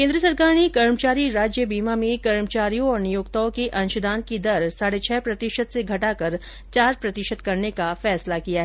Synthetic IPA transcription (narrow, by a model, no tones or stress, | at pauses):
kẽːnd̪ɾəsɐɾkaːɾñikɐɾmət͡ʃaːɾiɾaːd͡ʒjəbiːmamẽkɐɾmət͡ʃaːɾijõɔːɾnijoːkt̪aːõkeʔɐ̃nʊʃʊd̪ʱãːnt̪̚kid̪ɐɾsaːɽet͡ʃʰɛːpɾɐt̪ɪʃət̪seɡʱɐʈakɐɾ | t͡ʃaːɾpɾɐt̪ɪʃət̪kɐɾnekafɛːslakijaɦɛː